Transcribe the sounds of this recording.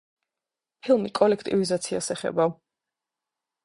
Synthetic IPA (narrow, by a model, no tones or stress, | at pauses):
pʰilˠmikʼɔlɛkʰt̪ʼivizat̪sʰia̰sɛχɛ̰ba